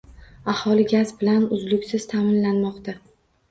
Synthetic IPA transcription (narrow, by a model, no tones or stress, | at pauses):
ahɒlɪɡʲazbɪlanʊzlʊkʲsɪz̥t̪ʰamɪnlanmɒqt̪a